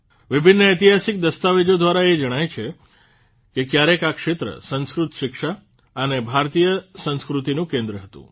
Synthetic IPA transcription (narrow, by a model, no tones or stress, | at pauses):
ʋɪbʱɪnːəet̪iɦasik̚d̪əst̪aʋed͡ʒod̪ʋaɾaed͡ʒəɽ̃ajt͡ʃʰe | kekjaɾekakʃet̪ɾə̰sə̃nskɾut̪ʃɪkʃa | ənebʱaɾt̪ijəsə̃nskɾut̪inũkẽnd̪ɾəɦət̪ṵ̃